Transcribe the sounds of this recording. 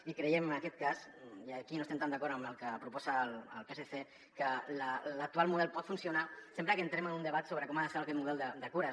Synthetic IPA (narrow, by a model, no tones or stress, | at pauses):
ikɾejemənakɛt̪̚kasiakinost̪emt̪amnd̪akɔɾt̪əməlˠkəpɾupɔzələ̰lˠpeseθe | kələlək̚t̪ualˠmuð̞ɛlpɔt̪funsjunasempɾəkent̪ɾemənund̪əβat̪soβɾəkɔmaðəseɾakɛt̪muð̞ɛlˠd̪əd̪əkuɾa